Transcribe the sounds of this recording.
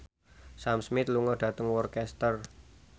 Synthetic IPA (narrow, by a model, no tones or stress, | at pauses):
samsmɪt̪luŋədɖ̥ä̤t̪əŋwɔrkɛst̪ər